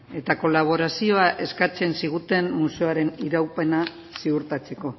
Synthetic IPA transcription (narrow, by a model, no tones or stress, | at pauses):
e̞t̪ako̞laβ̞o̞ɾasio̞aʔe̞skat͡se̞nsiɣ̞ut̪e̞mːuse̞aɾe̞niɾawpe̞na | siuɾt̪at͡se̞ko̞